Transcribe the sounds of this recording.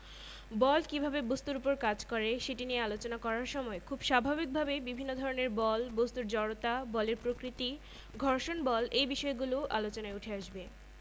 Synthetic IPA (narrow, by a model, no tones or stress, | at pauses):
bɔlkibʱabebost̪uɾupoɾkad͡ʑkɔɾeʃeʈiniealot͡ɕonakɔɾaɾʃɔmɔekʰubʃabʱabik̚bʱabebibʱinːod̪ʱɔɾoneɾbɔlbost̪uɾd͡ʑɔɽot̪abɔleɾpɾokɾit̪i | ɡʱɔɾʃonbɔlʔejbiʃɔeɡuloʔalot͡ɕonaeuʈʰeaʃbe